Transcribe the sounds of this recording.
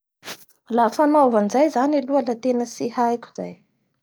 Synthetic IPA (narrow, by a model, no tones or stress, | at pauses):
lafanovanizajzanilualat̪enəsihajkʲu̥z̥a̰j